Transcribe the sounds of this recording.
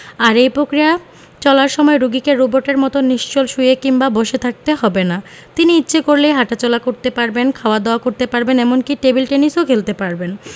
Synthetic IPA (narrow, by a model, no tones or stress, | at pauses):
aɾejpɾokɾija | t͡ɕɔlaɾʃɔmɔeɾuɡikeɾːuboʈeɾmɔt̪oniʃt͡ɕolʃujekimbaboʃet̪ʰak̚t̪eɦɔbena | t̪iniitːɕʰekoɾlejɦaʈat͡ɕɔlakoɾt̪epaɾbenkʰaoad̪aoakoɾt̪epaɾbenɛmonkiʈebilʈenisokʰelt̪epaɾben